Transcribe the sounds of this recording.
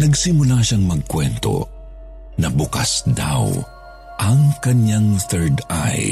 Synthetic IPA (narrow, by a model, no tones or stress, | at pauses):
nɐɡsɪmʊlaʃaŋmɐɡ̚kwɛnt̪o̞̰ | nɐbʊkasd̪a̰w | ʔɐŋkɐnjaŋθɛɹd̪a̰j